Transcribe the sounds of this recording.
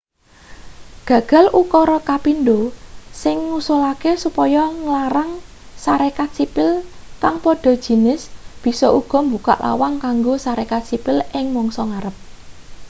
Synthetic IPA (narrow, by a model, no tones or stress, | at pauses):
ɡ̥ä̤ɡ̥a̤lʔukɔɾɔkapinɖosɪŋːusolakesupɔjɔŋlaɾaŋ | saɾekat̪̚sipɪlkaŋpoɖ̥ɔ̤d̥ʒ̥i̤nɪsb̥i̤sɔʔuɡ̥ɔ̤mbuka̰ʔla̰waŋkaŋɡosaɾekat̪̚sipɪlʔɪŋmɔŋsɔŋaɾəp̚